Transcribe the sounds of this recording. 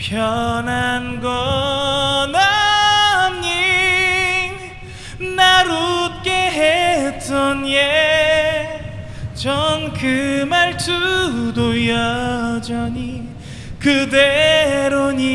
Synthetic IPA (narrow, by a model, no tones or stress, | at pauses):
pjʌnanɡʌ | na | mɲi | naɾut̚k͈eɦet͈ʌnje | t͡ɕʌnkɯmaɭsudojʌd͡ʑʌɲi | kɯdeɾoɲi